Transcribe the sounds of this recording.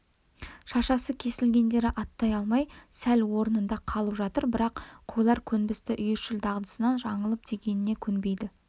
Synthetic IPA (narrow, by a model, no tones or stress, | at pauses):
ʃɑʃɑsəkʲʰe̞sɪlɡʲe̞nd̪e̞ɾɪʔɑt̪ːɑjɑlˠmɑjsælwo̞ɾənənd̪ɑqʰɑlˠəpʒɑt̪əɾbɪɾɑqqʰːujlˠɑɾkʲʰɵnbɪst̪ɪʔʏjɪɾʃɪld̪ɑʁd̪ə̥sənɑnʒɑɴəlˠəp̚d̪ʰeɡʲe̞nɪne̞kʲʰʏnbe̞jd̪ɪ